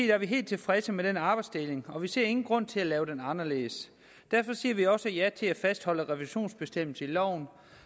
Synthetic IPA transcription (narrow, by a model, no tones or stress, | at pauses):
ḛːd̥æɐʋiɦe̝̰ːld̚t͡sʰe̝lfʁɛsəmedenɑ̈ːb̥ɑ̈ɪd̥sd̥e̝le̝ŋɒ̽ʋise̝ɐe̝ŋn̩ɡ̥ʁɔ̽n̰t͡sʰe̝ælɛːʊd̥enɑ̈nɐle̝ːs | d̥æɐ̰fɒ̽siːɐʋiɒ̽səjæt͡sʰe̝læfæsd̥hɒ̽l̰əʁɛʋiɕo̝̰ːnsb̥e̝sd̥em̰l̩səilɒʊ̰n